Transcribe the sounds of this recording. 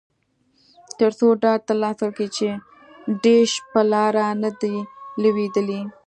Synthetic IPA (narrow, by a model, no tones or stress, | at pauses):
t̪əɾsoɖɑɖ̚t̪alɑslkit͡ʃe | ɖeʃpəlɑɾanad̪iləwed̪əli